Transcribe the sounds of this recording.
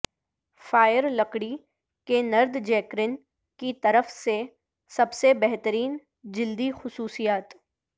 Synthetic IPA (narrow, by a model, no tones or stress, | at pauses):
faːjəɾlɐkɽi | kenɐɾd̪d͡ʒɛːkɾɪn | kit̪ɐɾəfse | sɐbsebɛɦt̪əɾiːn | d͡ʒɪld̪ixʊsuːsijaːt̪